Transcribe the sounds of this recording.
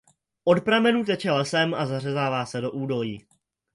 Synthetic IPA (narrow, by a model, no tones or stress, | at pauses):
ʔo̞tpɾamɛnuːt̪̬ɛt͡ʃɛlɛsɛmʔazar̝ɛzaːvaːsɛdo̞ʔuːdo̞liː